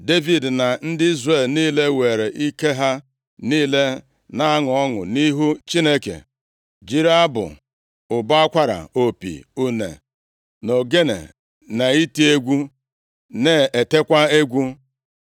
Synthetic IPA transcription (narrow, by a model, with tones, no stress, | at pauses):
de˦vi˨dna˨n̩˦dɪ˦i˦zre˦˨lniː˦le˦we˨ɾe˨ʔi˦ke˦ɦa˦ | niː˦le˦ | na˦a˦ŋʊ˨ɔ˦ŋʊ̰˨ni˦ɦu˦t͡ʃi˦ne˦kḛ˨ | d͡ʒi˦ɾa˦bʊ̰˨ | ʊ˨ba˦a˦kʷa˦ɾa̰˨o˨pḭ˨u˨nḛ˨ | no˨ɡe˦nḛ˨ | na˨i˦ti˦e˦ɡʷu˦ | ne˨e˨te˦kʷa˦e˦ɡʷu˦